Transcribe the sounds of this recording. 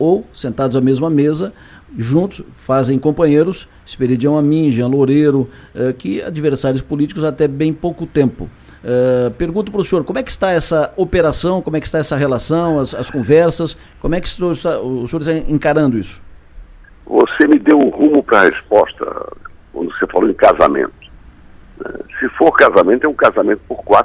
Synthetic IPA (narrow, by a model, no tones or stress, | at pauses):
owsẽnt̪ad̪ʊzɐmezmɐmezɐ | ʒũnt̪ʊsfazẽj̃kõmpɐ̃jɲejɾʊs | ɪ̥speɾid͡ʒiɐ̃w̃ɐmĩʒɐ̃loɾeɾʊ | ɛkɪa̰d͡ʒiveɾsaɾjʊspolit͡ʃikʊzat̪ɛbẽj̃powkʊt̪ẽmpʊ̰ | ɛpeɾɡũnt̪ʊpɾɐʊsĩoɾkõmʊɛkɪ̥st̪aɛsɐopeɾasɐ̃w̃kõmʊɛkɪ̥st̪aɛsɐɦelasɐ̃w̃ɐsɐskõvɛɾsɐs | kõmʊɛkɪ̥st̪aɪst̪aʊsĩoɾɪst̪aẽkaɾɐ̃nd̪ʊisʊ̥ | vo̰semɪd̪ewʊhũmʊpɾɐhḛspɔst̪ɐ̰kwɐ̰̃nd̪ʊsefaloẽkaza̰mḛ̃nt̪ʊ̥ | nɛ̰sɪfoɾkazamẽnt̪ʊɛũkazamẽnt̪ʊ̥poɾkwat̪